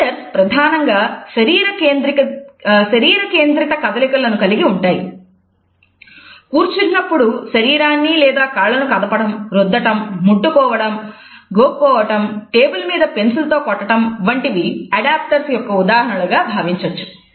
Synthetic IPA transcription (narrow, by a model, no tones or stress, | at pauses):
ɐɾspɾɐd̪ʱaːnɐŋɡaːʃɐɾiːɾɐkeːnd̪ɾikʃɐɾiːɾɐke̞ːnd̪ɾɐt̪ɐkɐd̪ɐlikɐlɐnukɐliɡiuɳʈaːjḭ | kuːɾt͡ʃinːɐpːuɽuʃɐɾiːɾaːnːilɛːd̪aːkaːɭɐnukɐd̪ɐpɐɽɐmɾud̪ːɐʈɐmːuʈːukɔːʋɐɽɐm | ɡoːɔːʋɐʈɐmʈeːbulmiːd̪ɐpe̞nsult̪o̞ːkɔʈːɐʈɐmʋɐɳʈiʋiɐɖaːp̚ʈɐɾsjɔkːɐud̪aːɦɐɳɐlɐɡaːbʱaːʋiɲt͡ʃɐt͡ʃːu̥